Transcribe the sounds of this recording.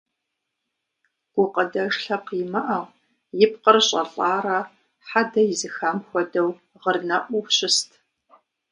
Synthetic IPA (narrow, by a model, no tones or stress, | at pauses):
ɡ̥ʷʊqʼədɐʒɬɐqimɐʔɐʁ | jɪp̚qərɕʼɐ̰ɬʼaːɾɐ | ħadɐjɪzɨxamxʷɔdɐw | ʁərnɐʔʷupɕʼɪstʰ